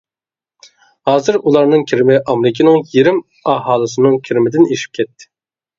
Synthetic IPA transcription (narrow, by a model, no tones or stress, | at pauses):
hɑːzɨɾulˠɑɾnɨŋkʲʰiɾmɪʔɑmɾɪkʲʰinɨŋjeɾɪm | ɑɦɑːlˠɨsɨnɨŋkʲʰiɾɪmɪd̪ɪneʃi̥p̚kʲʰɛt̪ʰːɪ̥